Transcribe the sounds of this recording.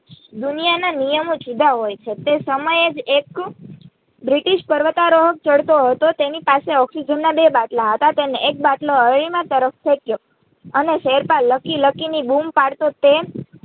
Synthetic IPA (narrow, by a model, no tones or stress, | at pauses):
d̪unijananijəmod͡ʒud̪ʱaɦojt͡ʃʰet̪esəməjed͡ʒek | bɾiʈiʃpəɾʋət̪aɾoɦək̚t͡ʃəɽt̪oɦət̪ot̪enipaseɔksid͡ʒənːabebaʈlaɦət̪at̪eneek̚baʈloəɭimãt̪əɾəft̪ʰekjo | əneʃeɾpalːəkiləkinibumpaɽt̪ot̪e